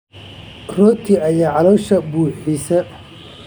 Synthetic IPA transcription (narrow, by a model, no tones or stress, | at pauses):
rɔːt̪ʰiɐjaːʕɑlɔːʃɐbuːħisɐ